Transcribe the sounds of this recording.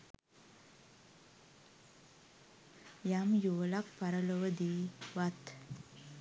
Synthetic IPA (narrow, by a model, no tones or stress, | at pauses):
jamjoːlak̚paɾəloʋəd̪iːʋat̪